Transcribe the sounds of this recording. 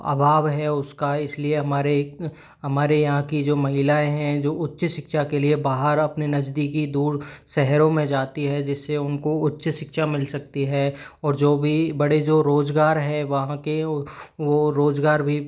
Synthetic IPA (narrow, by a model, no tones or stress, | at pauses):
a̰ːbʱaːʋɦɛʊskaɪslieɦɐmaːɾe | ɦɐmaːɾejɐɦãkid͡ʒoːmɐɦɪlaːẽɦɛ̃d͡ʒoːʊtːʃʃɪkʃakeliebaːɦəɾɐpninɐd͡ʒd̪ikid̪uːɾsɛɦɾõmẽd͡ʒaːt̪iɦɛd͡ʒɪsːeʊnkoʊtːʃʃɪkʃamɪlsɐk̚t̪iɦɛːɔːɾd͡ʒoːbʱibɐɽed͡ʒoːɾoːzɡaːɾɦɛʋɐɦãkeʋoɾoːzɡaːɾbʱi